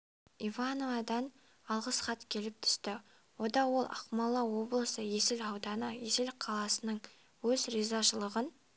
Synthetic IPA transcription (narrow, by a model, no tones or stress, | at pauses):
ivanovɑd̪ɑn | ɑlˠʁəsχɑt̪kʲʰe̞lɪp̚t̪ʰʏ̥st̪ɪ | wod̪ɑwo̞lˠʔɑ̰qmɑlˠːɑwo̞blˠəsəje̞sɪlɑwd̪ɑnəje̞sɪlqʰɑlˠɑsənəɴ | wɵzɾizɑʃəlˠəʁən